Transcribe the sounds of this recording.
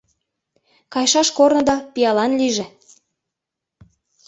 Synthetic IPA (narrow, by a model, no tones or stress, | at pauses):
kɑjʃɑʃkornɤ̆d̪ɑpijɑlɑnliʒĕ